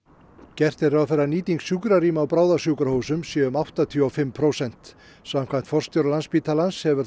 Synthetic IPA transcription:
cɛr̥t̪ɛɾawfɛɾːaniːt̪iŋksjuːkɾaɾiːmaːwpɾaːwðasjuːkɾahoːwsʏmsjɛɣʏmawht̪at̪ʰjːawfɪmpʰɾoːwsɛn̥t̪ | sam̥kʰvajmn̥t̪fɔr̥st̪jowɾlanspiːt̪ʰalanshɛvʏɾ

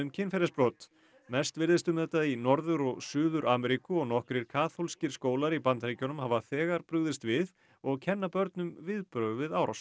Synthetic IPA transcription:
ʏmcʰɪnfɛɾɛspɾoːt̪ | mɛst̪vɪɾðɪst̪ʏmðɛt̪ːainɔɾðʏɾɔɣsʏːðʏɾʔaːmɛɾikʏɔɣnɔhkɾɪɾ̥kʰaːθolscɪɾ̥skoːwlaɾipant̪ɾeːjcɔnʏmhaːvaθɛːɣaɾpɾʏɣðɪst̪vɪð | ɔɣcʰɛnːapœɾt̪nʏmvɪðpɾœːɣʏvɪðaːwɾaws

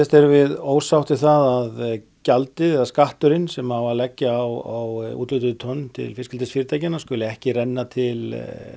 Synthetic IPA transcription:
θɛst̪ɛɾʏvɪðoːwsawht̪ɪθaðað | calt̪ɪɛðaskaht̪ʏɾɪnsɛmhavalɛcːɪawawṵːt̪lʏt̪ʏt̪ʰœnːt̪ʰɪ̰lfɪskcɪlt̪ɪsfiːɾɪt̪ʰajcɪnaskʏljɪɛhcɪrɛnːat̪ʰɪl

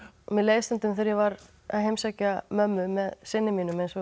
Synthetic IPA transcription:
mɛleːjst̪ɛnt̪ʏmθɪɾjɛvaɾ | a̰ɦejmsaːcamœmːʏmɛðsɪnːɪmiːnʏmɛnsɔ

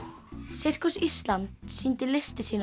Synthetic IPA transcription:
sɪr̥kʏsist̪lant̪sint̪ɪlɪst̪ɪsiːn

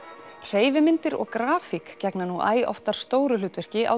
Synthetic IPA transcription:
r̥eːjvɪmɪnt̪ɪɾɔ̰ɣkɾaːfikcɛknanuʔa̰ːjɔ̰ft̪aɾ̥st̪oːwɾʏlʏt̪vɛr̥cɪʔa̰w

